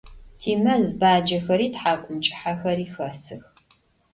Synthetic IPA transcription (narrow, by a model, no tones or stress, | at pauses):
tʰiːmɐzbaːd͡ʒɐxɐɾiːtħaːkʷʼʊmt͡ʃʼɪ̥ħaxɐɾiːxɐsɨx